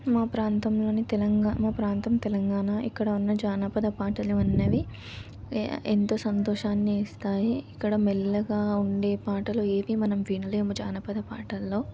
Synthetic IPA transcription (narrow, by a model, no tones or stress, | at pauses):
maːpɾaːnt̪ɐmlo̞ːnit̪elɐŋɡamaːpɾaːnt̪ɐmt̪ɛlɐŋɡaːnaːʔikːɐɽɐunːɐd͡ʒaːnɐpɐd̪ɐpaːʈɐluɐnːɐʋi | ent̪o̞ːsɐnt̪ɔːʃaːnːiːst̪aːjiːkːɐɽɐmelːɐɡaːuɳɖe̞ːpaːʈɐloːe̞ːʋimɐnɐmʋiːnɐleːmud͡ʒaːnɐpɐd̪ɐpaːʈɐlːo̞ː